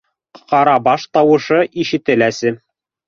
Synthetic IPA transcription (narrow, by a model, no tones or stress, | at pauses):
qɑɾɑbɑʃt̪ɑwɤ̆ʃɤʔiʃɘ̆t̪ɘ̆læsɘ